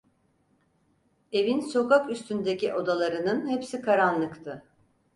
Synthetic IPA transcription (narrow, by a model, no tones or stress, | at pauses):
e̞vinso̞kakyst̪ʰynd̪e̞ciʔo̞d̪alˠaɾɯnɯnhepsikʰaɾanlˠɯkt̪ʰɯ